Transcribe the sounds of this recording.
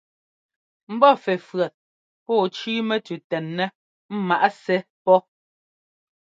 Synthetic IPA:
m̩˦bɔ˦˨fɛ˨fɰɛ˨t̚ | pɔː˦˨t͡ʃiː˦mɛ˦tʉ˨tɛ˨nːɛ˦ | m̩˦ma˨ʔa˦sɛ˦ | pɔ˦

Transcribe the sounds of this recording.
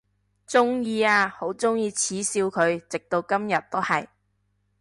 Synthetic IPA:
t͡sʊ˥ŋjiː˧aː˧ho˨˥wt͡sʊ˥ŋjiː˧t͡sʰiː˨˥siː˧wkʰɵ˨˧ɥt͡sɪ˨k̚t̪o˧wkɐ˥mjɐ˨t̪̚o˥hɐ˨j

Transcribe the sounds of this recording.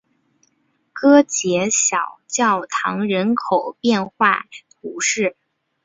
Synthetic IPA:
kɤ˥t͡ɕjɛ˧˥ɕjɑ˨˩ʊt͡ɕjɑ˥˩ʊt̪ʰɑ̰˧˥ŋɻə˧˥nkʰo˨˩ʊpjɛ˥˧nxwa˥˩t̪ʰu˧˥ʂɻ̩˥˩

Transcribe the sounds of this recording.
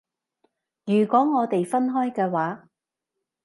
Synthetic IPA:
jyː˨˩kʷɔː˨˥ŋɔː˨˧t̪e˨jfɐ˥nɦɔː˥jkɛː˧waː˨˥

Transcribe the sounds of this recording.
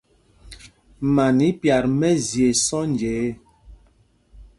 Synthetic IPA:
ma˨ni˨˦pja˨ɾmɛ˦zje˨sɔ˦nd͡ʒeː˨˦

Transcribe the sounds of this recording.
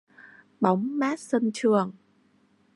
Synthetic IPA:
ɓa˨˦wŋ͡mmaː˦˥t̚sə˧nt͡ɕɨ˨˩əŋ

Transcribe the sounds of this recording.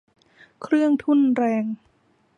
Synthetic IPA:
kʰɾɯ˥˩əŋt̪ʰu˥˩˨nɾɛː˧ŋ

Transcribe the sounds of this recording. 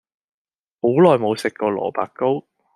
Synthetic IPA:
ho˨˥wlɔː˨jmo˨˧wsɪ˨kːɔː˧lɔ̰ː˨˩pa̰ː˨k̚kːo˥w

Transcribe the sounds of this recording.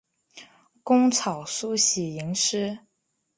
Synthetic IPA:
kʊ˥ŋt͡sʰɑ˨˩ʊsu˥˧ɕi˨˩i˧˥ŋʂɻ̩˥

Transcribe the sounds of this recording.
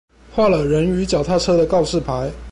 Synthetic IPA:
xwa˥˩lə˩ɻə˧˥ny˧˥t͡ɕjɑ˨˩ʊt̪ʰa˥˩ʈ͡ʂʰɤ˥ɾə˨kɑ˥˧ʊʂɻ̩˥˩pʰa˧˥ɪ

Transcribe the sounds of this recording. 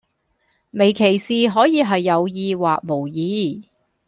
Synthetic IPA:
me˨˩jkʰe˨˩jsiː˨ɦɔː˨˥jiː˧ɦɐ˨jːɐ˨˧wjiː˧waː˨k̚mo˨˩wjiː˨˧

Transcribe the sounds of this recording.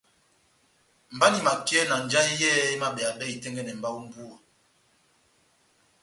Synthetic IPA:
m̩˨ba˦ni˨ma˨ki˦ɛ˦na˨n˨d͡ʒa˦jɛː˦i˦ma˦ɓɛ˨a˨ɓɛ˦i˨tɛ˦ŋɡɛ˦nɛ˨m̩˨ba˦u˦m̩˦bu˦ɔ˨

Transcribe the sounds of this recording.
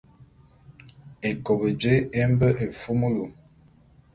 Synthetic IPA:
e˨kɔ˨bə˨d͡ʒe˦e˦m˦bə˦ʔe˨fu˦mu˦lu˨

